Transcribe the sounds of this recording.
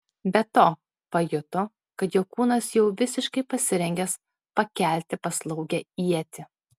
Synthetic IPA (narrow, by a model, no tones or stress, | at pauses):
bʲɛt̪oː | pɐjʊt̪o | kɐt̪jokuːnɐsjɛʊʋʲɪsʲɪʃkɐɪpɐsʲɪɾʲɛŋʲɡʲɛs | pɐkʲæˑlʲt̪ʲɪpɐslˠɐʊɡʲɛiɛt̪ʲɪ